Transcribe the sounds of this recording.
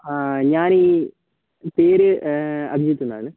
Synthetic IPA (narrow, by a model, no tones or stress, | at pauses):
aɲaːniː | peːɾɨɐ̰bʱijɐt̪ːund̪a̰ːɳɨ